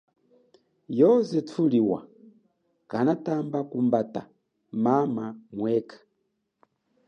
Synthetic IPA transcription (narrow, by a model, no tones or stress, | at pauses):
jɔzɛtʰuliwa̰ | kanatambakumbata | mamamwɛkʰḁ